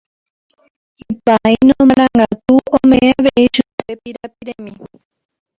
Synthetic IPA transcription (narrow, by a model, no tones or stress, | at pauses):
ipainõmaɾ̃ãŋɡat̪uõmẽʔeaʋeiʃupepiɾapiɾemĩ